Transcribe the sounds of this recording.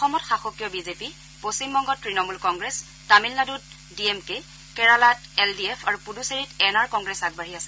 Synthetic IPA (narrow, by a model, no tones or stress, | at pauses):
ɔxɔmɔtxaxɔkjɔbizepi | posimbɔŋɡɔtɹinɔmulkɔŋɡɹɛs | tamilnadut̚ | diɛmke | kɛɹalat̚ɛldiepʰaɹupuduseɹitɛnaɹkɔŋɡɹɛsaɡ̚baɦiasɛ